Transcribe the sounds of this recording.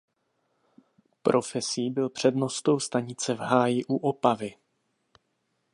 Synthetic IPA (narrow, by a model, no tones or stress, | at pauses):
pɾʔo̞fɛsiːbɪlpr̥ɛdno̞st̪o̞wst̪aɲɪt͡sɛvɦaːjɪʔuʔopavɪ